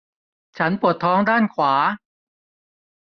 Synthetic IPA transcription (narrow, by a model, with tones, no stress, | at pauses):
t͡ɕʰa˦˥npu˨˩ət̪ʰːɔː˦˥ŋdaː˥˩nkʰwaː˩˦